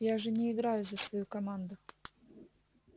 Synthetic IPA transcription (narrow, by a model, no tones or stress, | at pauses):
jaʐɨnʲɪɪɡɾajʊzəsvɐjukɐmand̪ʊ